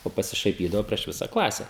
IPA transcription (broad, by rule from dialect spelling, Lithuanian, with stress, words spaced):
oː pɐsʲɪʃɐɪˈpʲiːdɐʋoː pʲrʲiɛʃ ˈʋʲɪsɐ ˈklˠɑːsʲɛ